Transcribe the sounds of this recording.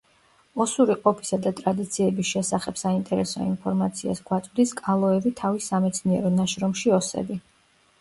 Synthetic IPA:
ɔsuɾiqʼɔpʰi̥sad̪at̪ʼɾad̪it̪sʰiɛbisʃɛsaχɛbsaint̪ʼɛɾɛsɔ̰inpʰɔɾmat̪sʰia̰sɡwat̪sʼvd̪iskʼalˠɔɛvit̪ʰavisamɛt̪sʰniɛɾɔnaʃɾɔmʃiɔsɛ̰bi

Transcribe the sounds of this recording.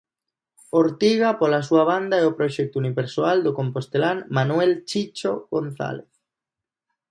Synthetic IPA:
oɾt̪iɣapolasuaβand̪aɛopɾoʃɛk̚t̪uniβeɾsoald̪okompost̪elanmanwelt͡ʃit͡ʃoɣonθa̰leθ

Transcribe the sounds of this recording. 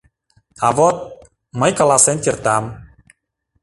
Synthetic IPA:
avɔt̪̚ | məjkəlasɛnt̪irt̪am

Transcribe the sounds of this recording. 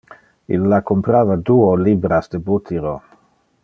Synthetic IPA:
ḭlːakompɾaːvad̪uolibɾasd̪ebut̪ʰiɾo

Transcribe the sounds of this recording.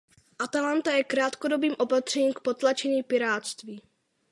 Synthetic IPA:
ʔat̪alant̪ajɛkɾaːt̪kodo̞biːmʔo̞pat̪r̝̥ɛɲiːmk̚pot̪lat͡ʃɛɲiːpɪɾaːt̪st̪viː

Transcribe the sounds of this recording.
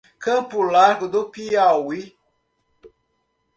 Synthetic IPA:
kʰəpulaɾkɨd̪upiawi

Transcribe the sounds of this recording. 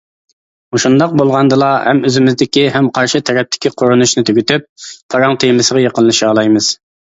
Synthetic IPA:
uʃund̪ɑq̚bolˠʁɑnd̪ɨlˠɑhɛ̰møzɪmɪzd̪ɪkʲiɦɛmqʰɑɾʃɪt̪ʰɛɾɛp̚t̪ʰɪ̥kʲiqʰoɾunuʃnɪt̪ʰøɡʲyt̪yp̚pʰɑɾɑŋt̪ʰemɪsəʁɑjeqənlˠɨʃɑːlˠɑjmɨz̥

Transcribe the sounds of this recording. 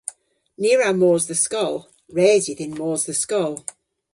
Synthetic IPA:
nɪəɹamɔːzðəskʌlˠ | ɹeːzɪðɪ̃nmɔːzðəskɔlˠ

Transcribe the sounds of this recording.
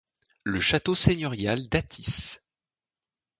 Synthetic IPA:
ləʃat̪oseɲjɔʁjald̪at̪ʰis

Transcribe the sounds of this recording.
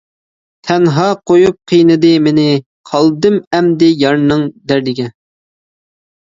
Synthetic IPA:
t̪ʰɛnɦɑqʰojup̚qʰijnɨd̪ɨmɪnɪ | qʰɑlˠd̪ɨmɛmd̪ɪjɑɾnɨŋd̪æɾd̪ɪɡʲɛ

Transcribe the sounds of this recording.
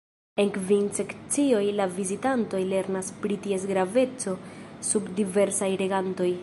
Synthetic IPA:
e̞nkvinse̞kt͡sio̞jlavizitanto̞jle̞ɾnaspɾitie̞s̬ɡɾave̞t͡so̞subdive̞ɾsajɾe̞ɡanto̞j

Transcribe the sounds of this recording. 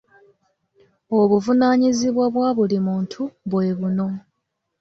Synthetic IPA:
oβuvunaːɲiziβwaβwaːβulimuːntʰuβwe̞ːβuno̞

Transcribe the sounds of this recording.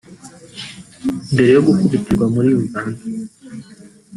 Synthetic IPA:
mbeɾejoɡukuβitiɡwamuɾiozaːndu

